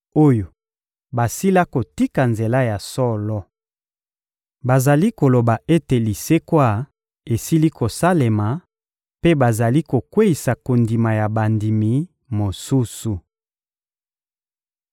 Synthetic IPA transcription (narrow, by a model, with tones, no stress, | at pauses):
o˦jo˨ | ba˨si˦la˦ko˨ti˦ka˨nze˨la˦ja˨sɔ˦lɔ˦ | ba˨za˨li˦ko˨lo˨ba˨ʔe˦te˨li˨se˦kwa˦˨ | e˨si˦li˦ko˨sa˦le˨ma˨ | pe˦ba˨za˨li˦ko˨kwe˦i˨sa˨ko˨ndi˨ma˨ja˨ba˨ndi˨mi˨ | mo˨su˦su˨